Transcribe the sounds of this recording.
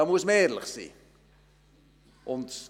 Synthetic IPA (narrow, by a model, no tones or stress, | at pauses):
ɑmuəsmɛːrlə̰χsḭ | ʔɔnt